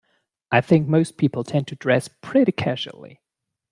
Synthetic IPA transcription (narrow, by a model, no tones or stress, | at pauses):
aɪθɪ̃ŋk̚moʊspʰipl̩ˠtʰɛ̃ntʰɨdɹɛspʰɹ̥ɪɾikʰæʒl̩ˠḭ